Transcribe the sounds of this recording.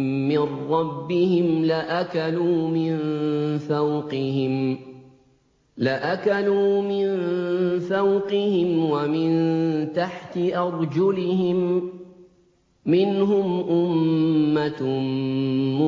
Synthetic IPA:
ɪnːɑbːɪhɪmlɪʔakaluːmɪnθawqɪhɪm | lɪʔakaluːmɪnθawqɪhɪmwamɪnt̪aħt̪ɪʔɑɾˤd͡ʒʊlɪhɪm | ɪnɦʊmʔʊmːa | mʊ

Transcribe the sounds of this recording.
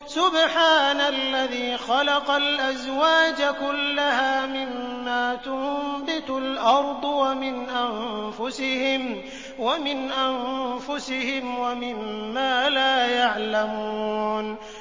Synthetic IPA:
sʊbħaːnalːaðiːxɑlɑqɑlʔazwaːd͡ʒakʊlːaɦaːmɪmːaːt̪ʊmbɪt̪ʊlʔɑɾˤd̪ˤwamɪnʔamfʊsɪhɪm | wamɪnʔanfʊsɪhɪmwamɪmːaːlaːjaʕlamuːn

